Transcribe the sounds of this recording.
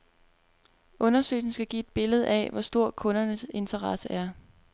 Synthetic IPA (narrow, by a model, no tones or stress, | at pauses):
ɔ̽nɐsø̰ɪsn̩sɡ̥æɡ̥ḭːe̝d̥̚b̥e̝ləð̞̩ˠɛ̰ʋɒsd̥o̝ɐ̰kʰɔ̽nɐnəse̝nt͡sʰɐʁɑsəʔæɐ